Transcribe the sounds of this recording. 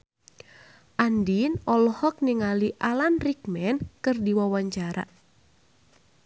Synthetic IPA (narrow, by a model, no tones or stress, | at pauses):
ʔandinɔlɔhɔk̚niŋaliʔalanrikmɛnkɨrdiwawaɲt͡ʃaɾa̰